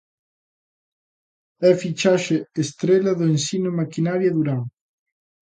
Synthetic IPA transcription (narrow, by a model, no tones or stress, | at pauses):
ɛfit͡ʃaʃeest̪ɾelɐðoensinʊmakinaɾjaðuɾaw